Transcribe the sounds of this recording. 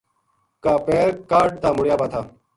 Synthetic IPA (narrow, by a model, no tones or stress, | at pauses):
kaːpeːɾkaːɾɖ̚t̪aːmʊɽɪjaːbaːt̪ʰaː